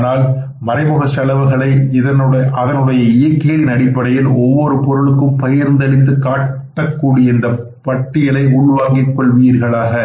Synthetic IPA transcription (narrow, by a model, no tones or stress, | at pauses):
naːl | mɐɾɐɪmɯɣɐsɐlɐʋɯɣɐɭɐɪɪðɐnɐðɐnɯɽɐjɐɪjɐkːeːlɪnɐɽɪpːɐɽɐjɪlɔʋːɔɾɯpɔɾɯɭɯkːɯmpɐjɐɾnd̪ɐɭɪt̪̬ːɯkaːʈːɐkːuːɽɪjɐɪnd̪ɐ | pɐʈːɪjɐlɐɪʊɭʋaːŋɡɪkːɔɭʋiːɾɣɐɭaːɣɐ